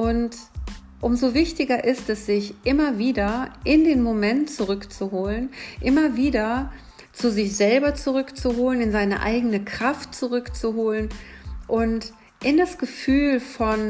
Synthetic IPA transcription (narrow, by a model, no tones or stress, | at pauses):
ʔʊnt | ʔʊmzovɪçtɪɡɐʔɪstɛsz̥ɪçʔɪmɐviːdɐʔɪndeːnmomɛntt͡suʁʏkt͡suɦoːlənʔɪmɐviːdɐ | t͡suzɪçz̥ɛlbɐt͡suʁʏkt͡suɦoːlənɪnzaɪnə̰ʔa̰ɪɡənəkʁ̥aft̚t͡suʁʏkt͡suɦoːlənʔʊnt | ʔɪndasɡ̥əfyːlfɔn